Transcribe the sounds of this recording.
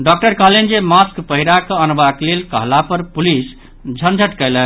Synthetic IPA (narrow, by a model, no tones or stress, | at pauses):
ɖɔk̚ʈəɾkəɦlend͡ʒemaskpəɦiɾakəənbaklelkəɦlapəɾpulis | d͡ʒʱənd͡ʒʱəʈkɛɪlə